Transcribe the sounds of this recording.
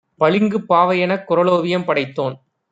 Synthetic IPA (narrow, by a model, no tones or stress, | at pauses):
pɐɭɪŋɡɯpːaːʋɐjɐnɐkːʊɾɐloːʋɪjɐmpɐɽɐɪt̪ːoːn